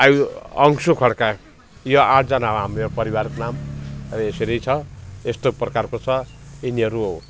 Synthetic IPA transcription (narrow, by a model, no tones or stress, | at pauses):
ajwʌŋsokʰʌɽka | joãʈʰd͡zʌnaɦoɦamoopʌɾiwaɾkonamrʌeseɾʌjt͡sʰʌest̪oprʌkarkot͡sʰʌiniʌɾuo